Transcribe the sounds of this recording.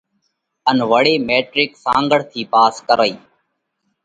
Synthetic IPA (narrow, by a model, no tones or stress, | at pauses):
ənʋəɽeːmeːʈɾɪksã̰ːŋɡəɽt̪ʰiːpaːskəɾəiː